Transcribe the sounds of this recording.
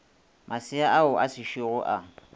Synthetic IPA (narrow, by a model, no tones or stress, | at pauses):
mʔasɪaʔaʊʔasɪʃiɣʊʔa